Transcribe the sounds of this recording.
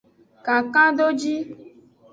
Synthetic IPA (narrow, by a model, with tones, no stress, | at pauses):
ka˨kã˦ɖo˦d͡ʒi˦